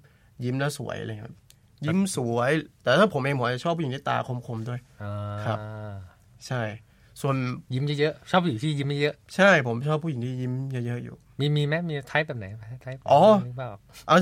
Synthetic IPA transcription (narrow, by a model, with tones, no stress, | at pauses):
ji˦˥mlɛ˦˥˩sṵ˩˦əjʔla˧ŋːʰ˦a˦˥p | ji˦˥msu˨˩˦jt̪ɛː˨˩at̪ʰaː˥˩pʰo˩˦mʔeː˧ŋmʰo˨˩˦t͡ɕa˨˩t͡ɕʰɔː˥˩pʰuː˥˨i˨˦t̪ʰi˥˩t̪a̰ː˧kʰo˧mkʰo˧mdu˥˩əjaː˧kʰɾa˦˥ | t͡ɕʰa˥˩j | su˧ənji˦˥mja˦˥˩jɤ˦˥ʔt͡ɕʰɔː˥˩p̚ʰːu˧˨˩t̪ʰiː˥˩˨ji˦˥mɛ˦˥jɤ˦˥ʔt͡ɕʰa˥˩jpʰo˩˦mt͡ɕʰɔː˥˩pʰːuː˥˩˨i˨˦ŋt̪ʰiː˥˩ji˦˥mt͡ɕa˦˧˩jɤ˦˥ʔjṵː˨˩ | miː˧miː˧mɛ˦˥miː˧t̪ʰa˦˥jbɛː˨˩p̚na˨˩˦jʰa˥t̪ʰa˦˥jʔɔː˨˩˦baː˥˩ | ʔa˧˩